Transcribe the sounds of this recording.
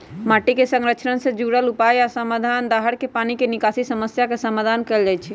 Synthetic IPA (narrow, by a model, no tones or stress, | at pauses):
maʈikesəŋɾət͡ʃʰnənsẽd͡ʒuɽəlupajasəmad̪ʱand̪aɦəɽkepanikenikasisəməsjakesəmad̪ʱankɛld͡ʒajt͡ʃʰi